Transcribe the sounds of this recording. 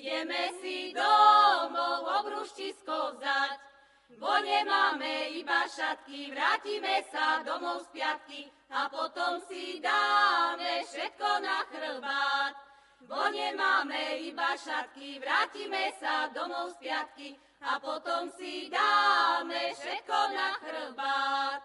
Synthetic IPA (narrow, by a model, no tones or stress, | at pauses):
jɛmɛsid̪ɔmɔɔbɾuʃciskɔzac | ʋɔɲɛmaːmɛibaʃat̪̚kiʋɾaːcimɛsad̪ɔmɔʊspɪat̪ki | apɔt̪ɔmsid̪aːmɛfʃɛt̪̚kɔnaxr̩bat̪ | ʋɔɲɛmaːmɛibaʃat̪kiʋɾaːcimɛsad̪ɔmɔʊspɪat̪̚ki | apɔt̪ɔmsid̪aːmɛfʃɛt̪̚kɔnaxɾ̩bat̪